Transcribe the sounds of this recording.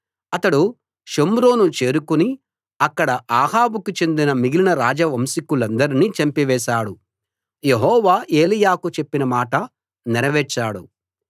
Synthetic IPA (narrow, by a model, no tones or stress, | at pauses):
ɐt̪ɐɽu | ʃomɾoːnut͡ʃe̞ːɾukuni | ɐkːɐɽɐʔaːɦaːbukut͡ʃe̞nd̪inɐmiɡilinɐɾaːd͡ʒɐʋɐmsikulɐnd̪ɐɾiniːt͡ʃɐmpiʋɛːʃaːɽu | je̞ɦɔːʋaːʔe̞ːlijaːkut͡ʃe̞pːinɐmaːʈɐ | nɛɾɐʋɛːt͡ʃːaːɽu